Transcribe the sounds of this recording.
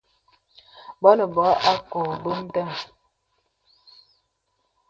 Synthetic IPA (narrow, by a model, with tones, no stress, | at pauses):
bɔ˦nə˨bɔ˨˦ʔa˦ko˨bə˦m̩˦ta˦˨